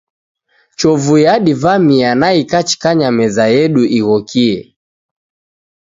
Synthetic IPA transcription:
t͡ʃɔvujaɗivamianaikat͡ʃi̥kaɲamɛzajɛɗuʔiɣɔkʰiɛ

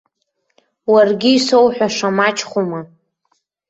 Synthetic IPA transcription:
warɡʲiiso̞wħʷᶣaʂamat͡ʃʰʼχʷuma

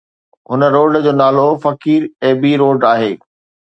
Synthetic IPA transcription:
ɦʊnəɾoːɖd͡ʑoːnaːlofɐkiːɾeːbiɾoːɖaːɦeː

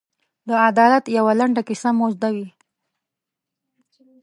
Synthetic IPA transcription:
d̪əad̪ɑlat̪jawalaɳɖakɪsamozd̪awi

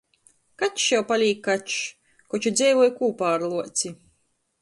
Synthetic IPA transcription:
kat̪jawpalʲiːkkːat | kɔt͡ʃud̪zʲɛjvuɔjkuːpaːɾlˠuɔt̪sʲi

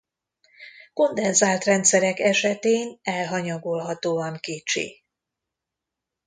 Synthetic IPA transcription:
ko̞nd̪ɛnzaːlt̪rɛnt̪sɛɾɛkɛʃɛt̪eːnɛlɦɒɲɒɡolɦɒt̪oːɒŋkeːt͡ʃḛː

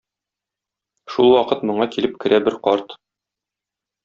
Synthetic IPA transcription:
ʃulˠwɒqɤt̪mŏɴɑkilɘp̚kɘ̆ɾʔæbɘɾqɒɾt̪

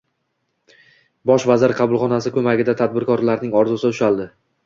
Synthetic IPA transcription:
bɒʃvazɪɾqʰɑbʊlˠχɒnasɪkʰɵmaɡʲɪd̪at̪ʰad̪̚bɪɾkʰɒɾlaɾnɪŋɒɾzʊsɪʊʃalˠd̪ɪ

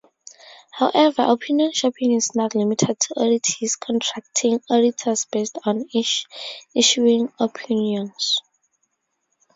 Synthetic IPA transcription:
hawʔɛvəʔɔpʰiniɔ̃nʃɔpʰĩŋisnɔtlimitʰɛd̚tʰuʔɔditʰiskʰɔ̃ntʰɹak̚tʰĩŋɔditʰɔsb̥estɔ̃n | iʃuĩŋɔpʰinjɔ̃ns

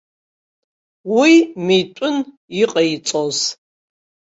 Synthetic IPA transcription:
wimejtʷʼʊn | iqʼɐit͡sʼoz

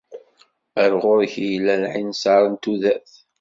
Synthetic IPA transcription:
æɾʁʊɾçjlːælʕinsaɾˤənt̪uðæθ

